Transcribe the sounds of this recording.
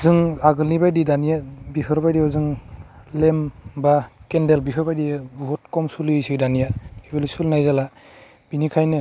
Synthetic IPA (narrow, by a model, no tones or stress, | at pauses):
zɯŋaɡɯlnibajdidanijabiɦɯɾbajdijɔzɯŋlembakendelbiɦʰɯɾbajdijɯbuɦɔtkɔmsulisɯjdanijaibalisulnajzala | b̥inikʰajnɯ